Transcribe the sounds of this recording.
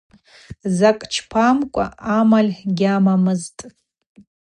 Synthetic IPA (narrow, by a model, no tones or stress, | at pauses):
zakʼt͡ʃʰpʰamkʷʼa̰ʔamalʲħɡʲamamɨztʼ